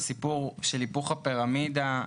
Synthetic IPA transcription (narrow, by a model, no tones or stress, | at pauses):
sipuʁʃelipuχapiʁamida